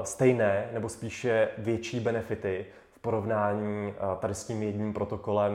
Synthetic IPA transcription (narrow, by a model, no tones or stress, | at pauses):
st̪ɛjnɛːnɛbo̞spiːʃɛvjɛt͡ʃiːbɛnɛfɪt̪ɪ | fpo̞ɾo̞vnaːɲiːt̪adɪsciːmjɛɟɲiːmpɾo̞t̪o̞ko̞lɛm